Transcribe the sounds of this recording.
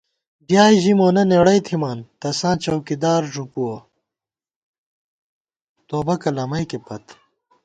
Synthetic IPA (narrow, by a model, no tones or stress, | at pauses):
bjaːjʑimoːnɐneɽɐjt̪ʰimaːnt̪ɐsãːt͡ɕɐwkid̪aːɾʐupuwo | t̪oːbɐkɐlɐmɐjkepɐt̪